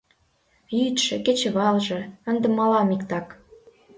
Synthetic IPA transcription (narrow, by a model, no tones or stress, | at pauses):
jyt̪ʃĕket͡ɕĕβɑlʒɤ̆ə̆nd̪ə̆mːɑlɑmikt̪ɑk